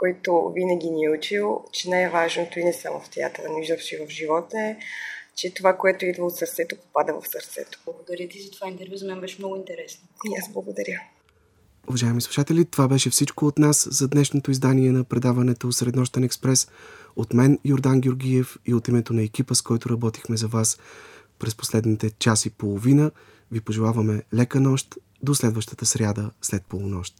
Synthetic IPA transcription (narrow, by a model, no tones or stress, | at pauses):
kɔɛt̪ovinəɡʲiniɛut͡ʃilˠt͡ʃɛnajvaʒnot̪oinɛsamo̰ft̪ɛa̰t̪ɛlˠəniʒd̪əfʃivəfʒivɔt̪əɛt͡ʃɛt̪ovakoɛt̪oid̪vəot̪səɾt̪sɛt̪opo̥pad̪əvɐ̰fsɐɾt̪sɛ̰t̪o̥lˠɐɡod̪ɐɾʲjət̪izɐt̪ovaint̪ɛɾvʲjuzɐmɛnbɛʃɛmnɔɡʊint̪ɛɾɛsnoiazblˠɐɡod̪ɐɾʲə | ʊvɐʒaɛmislˠu̥ʃat̪ɛlʲit̪ovabɛʃɛfsit͡ʃkoːt̪naszɐd̪nɛʃnot̪oizd̪aniɛnɐpɾɛd̪avɐnɛt̪osɾɛd̪nɔʃt̪ɛnɛkspɾɛsot̪mɛnjoɾd̪anɡʲoɾɡʲijɛfiot̪imɛt̪onɐɛk̟ipəskɔjt̪oɾɐbɔt̪ixmɛzɐvas | pɾɛspo̥slɛd̪nit̪ɛt͡ʃasipolˠovinə | vipoʒɛlˠavəmɛlɛkənɔʃt̪ | d̪oslɛd̪vəʃt̪ə̥t̪əsɾʲjad̪əslɛt̪̚polˠonɔʃt̪